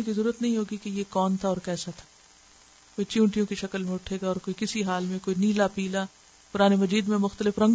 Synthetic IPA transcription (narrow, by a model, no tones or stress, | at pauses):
ekizɐɾuːɾət̪nɐɦĩɦoːɡikejekɔːnt̪ʰaɔːɾkɛːsat̪ʰḁ | koːit͡ʃũːʈijõkiʃɐkəlmẽʊʈʰeːɡaɔːɾkoːikɪsiɦaːlmẽkoːiniːlapiːla | pʊɾaːnemɐd͡ʒiːd̪mẽmʊxt̪əlɪfɾɐ̃ŋɡ